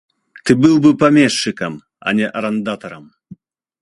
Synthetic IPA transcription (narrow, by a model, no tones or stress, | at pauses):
t̪ɨbɨlˠbɨpɐmʲɛʂːɨkɐm | ɐ̰nʲɛʔɐɾɐnd̪at̪ɐɾɐm